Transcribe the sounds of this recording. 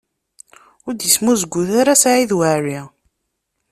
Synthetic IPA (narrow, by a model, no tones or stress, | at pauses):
ʊɾd̪jəsmuzəɡʷːuθaɾasʕiðwaɾi